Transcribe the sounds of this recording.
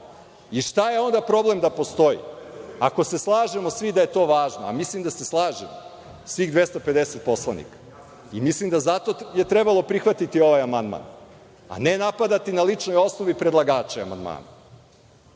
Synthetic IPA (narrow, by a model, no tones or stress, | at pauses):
iʃt̪aje̞o̞nd̪apɾo̞blemd̪apo̞st̪o̞jḭako̞se̞slˠaːʒemo̞sʋid̪aje̞t̪o̞ːʋaːʒnoa̰mislˠimd̪ase̞slˠaːʒemo̰ | sʋiɣd̪ʋe̞st̪ope̞d̪eset̪̚po̞slˠanḭkḁ | imislimd̪azat̪o̞je̞t̪ɾebalˠo̞pɾixʋat̪it̪io̞ʋajamand̪ma̰n | a̰nenapad̪at̪inalit͡ʂno̞jo̞snoʋipɾe̞d̪lˠaɡaːt͡ʃea̰ma̰nd̪ma̰ːna